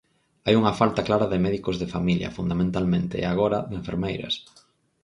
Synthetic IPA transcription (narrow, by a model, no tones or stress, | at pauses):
ajuŋɐfalt̪ɐklaɾɐðɪmɛðikozðɪfamiljɐ̰fund̪amẽnt̪almẽnt̪ɪ̰eaɣ̞oɾɐðeɱfeɾmejɾɐ̰s